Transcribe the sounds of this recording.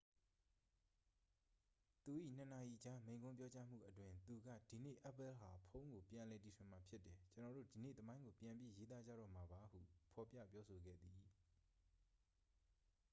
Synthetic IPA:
t̪u˨ʔḭ˦˨n̥ə˨na˨ʔi˨d͡ʑa˦mẽ˨ɪ̃ŋɡʊ̃˦mpjɔ˦t͡ɕa˦m̥ṵ˦˨ʔətwɪ̃˨nt̪u˨ɡä̰˦˨d̥i˨nḛ˦˨ʔɛ˦pɛ˦lɦa˨pʰõ˦ʊ̃ŋɡo˨pjã˨lɛ˨ti˨sʰɪ̃˨ma˨pʰjɪ˦tːɛ˨t͡ɕə˨nɔ˨ɾo̰˦˨di˨nḛ˦˨t̪əmã˦ɪ̃ŋɡo˨pjã˨mbji˦je˦t̪̬a˦d͡ʑa̰˦˨ɾɔ̰˦˨m̥a˨ba˨˦hṵ˦˨pʰɔ˨pjä̰˦˨pjɔ˦sʰo˨ɡɛ̰˦˨d̪i˨

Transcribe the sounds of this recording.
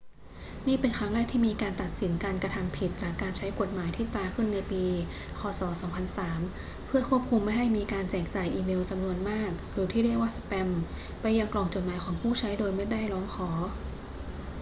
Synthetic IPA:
niː˥˩pe˧nkʰɾa˦˥ŋɾɛː˥˩k̚t̪ʰiː˥˩miː˧kaː˧nt̪a˨˩t̪̚si˩˦nkaː˧nkɾa˧t̪ʰa˧mpʰi˨˩t̪̚t͡ɕaː˨˩kːaː˧nt͡ɕʰa˦˥jko˨˩t̪̚maː˩˦jt̪ʰiː˥˩t̪aː˧kʰɯ˥˩nːa˧jpiː˧ | kʰɔː˧sɔː˩˦sɔː˩˦ŋpʰa˧nsaː˩˦m | pʰɯ˥˩ɐkʰu˥˩əp̚kʰu˧mːa˥˩jɦa˥˩jmiː˧kaː˧nt͡ɕɛː˨˩k̚t͡ɕaː˨˩jʔiː˧me˧wt͡ɕa˧mnu˧ənmaː˥˩k̚ɾɯː˩˦t̪ʰiː˥˩ɾi˥˩k̚waː˥˩sa˧pɛ˧m | pa˧jːa˧ŋklɔː˨˩ŋt͡ɕo˨˩t̪̚maː˨˦jkʰɔː˩˦ŋpʰuː˥˩t͡ɕʰa˦˥jdoː˧jma˥˩jda˥˩jlɔː˦˥ŋkʰɔː˩˦

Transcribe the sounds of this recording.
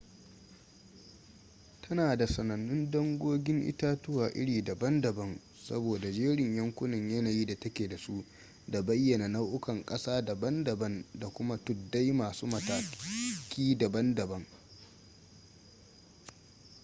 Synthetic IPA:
tʰɐ˦naː˨da˨sɐ˨nɐ˨nːʊ˦ndɔ˦ŋɡʷoː˦ɡʲɪ˦ŋʔɪ̰˦taː˦tʊ˦waː˨ʔɪ̰˦ɽiː˨dɐ˨bɐ˦ndɐ˨bɐ˦n | sɐ̰˦boː˨da˨d͡ʒeː˦ɽɪ˨ɲjɐ˦ŋkʷʊ˦nɪ˨ɲjɐ˦naː˨jiː˦da˨tɐ˦kʲeː˨da˨su˦ʔ | da˨bɐ˦jːɐ˨na˨na˦wʔʊ˦kɐ˨ŋkʼɐ˦saː˦dɐ˨bɐ˦ndɐ˨bɐ˦nda˨kʷʊ˦ma˦tʊ˨dːa˦jmaː˨suː˦mɐ˨taː˨kʲʰiː˦dɐ˨bɐ˦ndɐ˨bɐ˦ŋ

